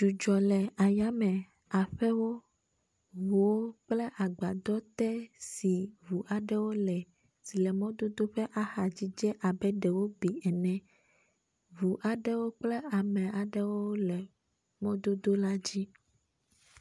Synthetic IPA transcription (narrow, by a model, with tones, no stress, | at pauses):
d͡ʒu˨d͡ʒɔ˨lɛ˨a˨ja˦mɛ̃˨ | a˨ɸɛ˦wo˦ | vu˨wo˦k͡plɛ˦ʔa˨ɡ͡ba˨d̪ɔ˦t̪ɛ˦si˨vu˨ʔa˨ɖɛ˦wo˦lɛ˨ | si˨lɛ˨mɔ̃˦d̪o˦d̪o˦ɸɛ˦ʔa˦xa˨d͡ʑi˦d͡ʒɛ˦ʔa˨bɛ˦ɖɛ˨wo˦bi˨ɛ˨nɛ̃˨ | vu˨ʔa˨ɖɛ˦wo˦k͡plɛ˦a˨mɛ̃˨a˨ɖɛ˦wo˦lɛ˨ | mɔ̃˦d̪o˦d̪o˦la˦d͡ʑi˦